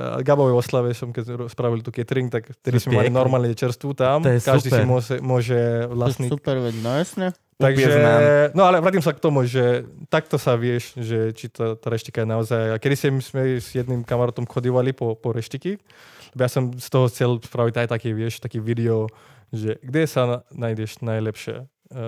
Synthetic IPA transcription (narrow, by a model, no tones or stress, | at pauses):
ɡabɔʋɛjʋɔslaʋɛsɔmkɛɛɔspɾaʋilt̪uːkɛt̪ɾiŋkt̪akft̪ɛd̪ismɛmallinɔɾmaːlnɛɛt͡ʃɛɾst̪ʋut̪amkaʒd̪isimɔsɛmʊɔʒɛʋlasniupɛɾʋɛsɲɛ | t̪aɡʒɛnɔalɛʋɾaːt̪imsakt̪ɔmuʒɛt̪ak̚t̪ɔsaʋɪɛʃʒɛt͡ʃit̪at̪aɾɛʃt̪ikajɛnaɔzajakɛd̪isɛmsmɛz̥jɛd̪nimkamaɾaːt̪ɔmxɔd̪iʋalipɔpɔɾɛʃt̪iki | lɛbɔjasɔmst̪ɔɦɔxt͡sɛlspɾaʋitajt̪akiʋɪɛʃt̪akiːʋid̪ɛɔ | ʒɛɡd̪ɛsanajd̪ɛʃnajlɛpʃɪɛ̰